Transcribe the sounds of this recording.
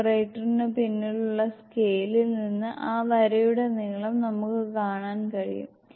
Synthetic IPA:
reːʈːɐrinepinːiɭuɭːɐskejlilninːɨʔaːʋɐɾɐjuɽe̞niːɭɐmnɐmukːɨkaːɳaːnkɐɻḭjṵm

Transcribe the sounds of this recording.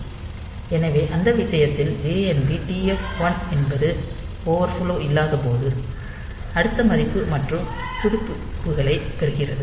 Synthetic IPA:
ɛnɐʋeːʔɐnd̪ɐʋɪʂɐjɐt̪ːɪld͡ʒeːɛnbiʈiːɛfʋɐnɛnbɐðɯ | poːʋɐɾfɔloːʔɪlːaːðɐpoːðɯ | ɐɽɯt̪ːɐmɐɾɪpːɯmɐʈrɯm | pʊðɪpːɯ | pːɯɣɐɭɐɪpɛɾɯɣɪrɐðɯ

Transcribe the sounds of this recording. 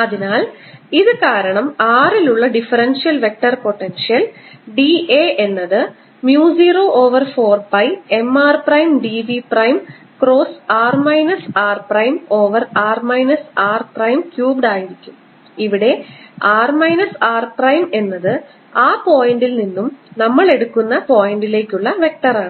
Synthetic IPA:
ɐðinaːl | iðɨkaːɾɐɳɐmaːriluɭːɐɖifɐrɐnʂijɐlʋe̞k̚ʈːɐrpo̞ʈːenʂijɐlɖieːʔe̞nːɐðɨ | mjuːsiːroːʔo̞ːʋɐrfo̞ːrbɐje̞maːrprɐjmɖiʋiprɐjm | kro̞ːsaːrmɐjnɐsaːrprɐjmo̞ːʋɐraːrmɐjnɐsaːrprɐjmkjuːbɖaːjiɾikʲːum | iʋiɽe̞aːrmɐjnɐsaːrprɐjme̞nːɐðɨ | aːpo̞ːjɐɳɖilninːumnɐmːɐɭe̞ɽukːunːɐpo̞ːjɐɳɖile̞ːkʲːuɭːɐʋe̞k̚ʈɐraːɳɨ

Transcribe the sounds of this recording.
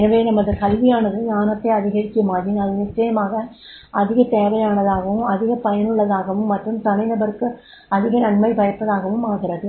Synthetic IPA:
ɛnɐʋeːnɐmːɐðɐkɐlʋɪjaːnɐðɯɲaːnɐt̪ːɐɐðɪɣɐɛɻɯkːɪjɐmaːɾinɐðɯnɪt͡ʃːɐjɐmaːɣɐ | ɐðɪɣɐt̪eːʋɐjaːnɐðaːɣɐʋɯ̃mɐðɪɣɐpɐjɐnɯɭːɐðaːɣɐʋɯmːɐʈrɯmsɐmɐɪnd̪ɐʋɐɾɯkːɯ | ɐðɪɣɐnɐnmɐɪpɐjɐpːɐðaːɣɐʋɯmaːɣɪrɐðɯ

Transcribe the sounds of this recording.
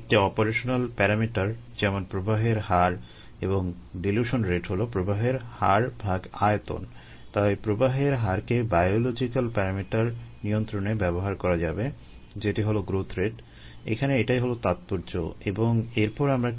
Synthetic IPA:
ek̚ʈiɔpoɾeʃonalpɛɾamiʈaɾd͡ʑɛmonpɾobaɦeɾɦaɾ | eboŋɖiljuʃonɾeʈɦolopɾobaɦeɾha̰ɾbʱaɡa̰et̪o̰n | t̪ajpɾobaɦeɾɦaɾkebajolod͡ʑikalpɛɾamiʈaɾnijont̪ɾonebɛboɦaɾkɔɾad͡ʑabe | d͡ʑeʈiɦoloɡɾot̪ʰɾeʈ | ḛkʰaneeʈajɦolot̪at̪̚poɾd͡ʑo̰eboŋeɾpɔɾamɾae

